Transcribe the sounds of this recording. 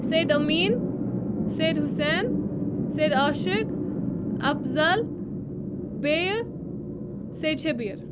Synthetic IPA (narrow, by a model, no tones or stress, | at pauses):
seːd̪ɐmiːn | seːd̪ɦusɛːnseːd̪aːʃɪk | ɐ̰fzɐl | beːj | seːd̪̚t͡ʃʰebiːɾ